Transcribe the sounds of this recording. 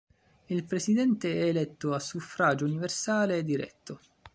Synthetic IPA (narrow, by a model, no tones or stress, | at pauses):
ilpɾesid̪ɛnt̪eɛːlɛt̪ːoasufɾaːd͡ʒouniversaːleɛd̪ːiɾɛ̰t̪ːo